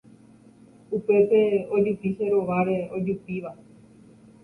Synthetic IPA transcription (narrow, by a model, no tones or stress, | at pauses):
upe̞t̪e̞od͡ʒupiʃe̞ɾo̞ʋaɾe̞od͡ʒupiʋa